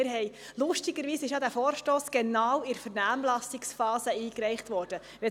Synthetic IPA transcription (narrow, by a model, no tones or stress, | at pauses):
ɪɾɦɛɪ | lʊʃtiɡəɾʋiːsɪʃjɑdæːfoːɾʃtoːsɡ̥ɛnɑːwɪɾfəɾnæːmlɑsɪksfɑːzəiːkɾɛɪχtʋɔːɾd̥ə | ʋɛ